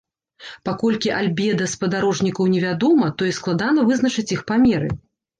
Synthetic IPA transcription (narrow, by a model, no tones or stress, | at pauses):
pakɔlʲkʲiʔalʲbʲɛd̪ɐspɐd̪aɾɔʐnʲikɐwnʲɛvʲad̪ɔmɐt̪ɔisklˠad̪anɐvɨznɐt͡ʂɨt͡sʲixpamʲɛɾɨ̰